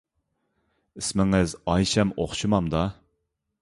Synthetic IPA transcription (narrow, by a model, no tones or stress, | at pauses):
ɪsmɪŋɪzɑjʃɛmoχʃumɑmd̪ɑ